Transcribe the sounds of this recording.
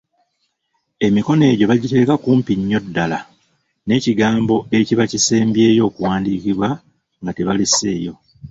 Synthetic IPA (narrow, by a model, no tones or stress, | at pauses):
e̞miko̞ne̞ːɟo̞βaɟite̞ːkakuːmpiɲːo̞dːala | ne̞ːciɡaːmbo̞e̞ciβaciseːmbje̞ːjo̞ːkuwaːndiːciβwa | ŋɡateβalise̞ːjo̞